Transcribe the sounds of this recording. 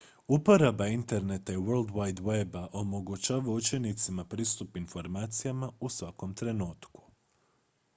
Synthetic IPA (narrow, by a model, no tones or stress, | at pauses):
upo̞ɾabaint̪e̞ɾne̞t̪aiʋøɾld̪wajd̪webaʔo̞mo̞ɡut͡ʃaːʋaut͡ʃe̞nit̪simapɾiːst̪upinfo̞ɾmaːt̪sijamausʋako̞mt̪ɾe̞nuːt̪ku̥